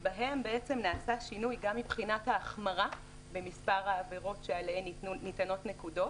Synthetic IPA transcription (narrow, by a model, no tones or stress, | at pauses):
baɦe̞mbeet͡se̞mnaːsaʃinujɡamːibχinathaːχmaʁa | be̞mispaʁhaːve̞ʁo̞tʃealehennitano̞tne̞kudo̞t